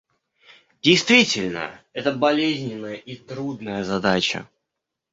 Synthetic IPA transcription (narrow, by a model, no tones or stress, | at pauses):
dʲɪjst̪vʲitʲɪlʲnə̰ɛt̪əbɐlʲezʲnʲɪnːəjəʔit̪ɾud̪nəjəzɐd̪at͡ɕə̰